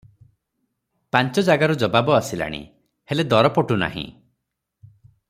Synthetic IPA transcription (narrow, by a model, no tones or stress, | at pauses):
paɲt͡ʃɔd͡ʒaɡaɾud͡ʒɔbabɔasila̰ɽ̃ḭ | heled̪ɔɾɔpɔʈuna̰ɦḭ̃